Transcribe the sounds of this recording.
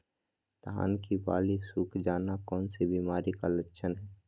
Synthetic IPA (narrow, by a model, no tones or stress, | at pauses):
t̪ɦa̰ːnkiba̰ːlisuːkʰd͡ʒaːnakɔːnsebiːmaːɾikalətːʃʰənɦɛː